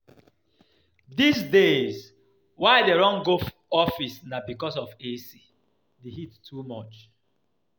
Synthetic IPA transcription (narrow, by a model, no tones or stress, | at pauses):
dis̬dez | waɪdeɹɔ̃ŋɡof | ɔfisnabikɔsɔvesi | deɦittʰumɔt͡ʃ